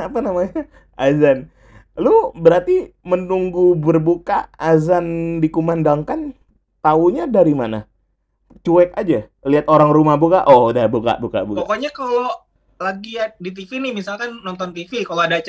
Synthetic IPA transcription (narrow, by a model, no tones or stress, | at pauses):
apanamaɲa | ʔazan | lubəɾart̪imənuŋɡubərbukaːzandikumandaŋkan | t̪auɲadaɾimana̰ | t͡ʃuɛkad͡ʒa | liat̪oɾaŋrumahbuka̰ʔodahbuka̰ʔbuka̰ʔbukpɔakoɲakalo | laɡiadit̪̬ifinɪhmisalkanːɔnt̪ɔnt̪ifikaloadat͡ʃ